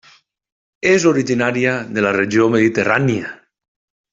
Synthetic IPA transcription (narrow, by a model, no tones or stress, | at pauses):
ezoɾiʒinaɾiaðelareʒiomeðit̪eranja